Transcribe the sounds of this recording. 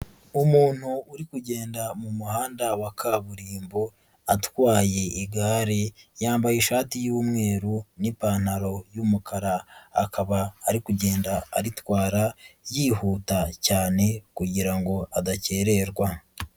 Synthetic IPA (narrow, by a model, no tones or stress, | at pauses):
umuːn̥huːɾikuɟe̞ːndamumuhaːndawakʰaβuɾiːmbo̞ | atwaːje̞iɡaːɾejaːmbajiʃaːtijuːmŋe̞ːɾunipaːn̥haɾo̞jumukʰaɾa̰ːkʰaβaːɾikuɟe̞ːndaːɾitwaːɾajiːhuːtacaːne̞kuɟiɾaŋɡo̞adace̞ɾe̞ɾɡwa